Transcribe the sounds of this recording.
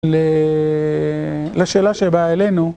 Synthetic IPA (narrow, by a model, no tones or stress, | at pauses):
le | laʃeːlaʃebaele̞nu